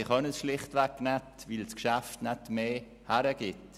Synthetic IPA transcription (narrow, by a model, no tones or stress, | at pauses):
ɪχœnəsʃlɪχtʋɛkːnɛtvɪlskʃæftnɛtmeː | hæɾəɡ̥ɪt